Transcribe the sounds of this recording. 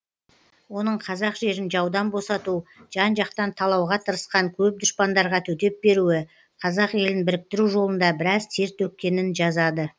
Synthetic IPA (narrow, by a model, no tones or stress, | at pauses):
wo̞nəɴqʰɑzɑqʒe̞ɾɪnʒɑwd̪ɑnbo̞sɑt̪uʒ̥ɑnʒɑqt̪ɑnt̪ʰɑlˠɑwʁɑt̪ʰəɾəsqɑŋkʲʰɵp̚d̪ʊʃpɑnd̪ɑɾʁɑt̪ʰɵt̪e̞p̚be̞ɾuɪ | qʰɑzɑqje̞lɪnbɪɾɪk̚t̪ɪɾuʒo̞lˠənd̪ɑbɪɾɑzt̪ʰeɾt̪wɵt̪̚kʲːe̞nɪnʒɑzɑd̪ə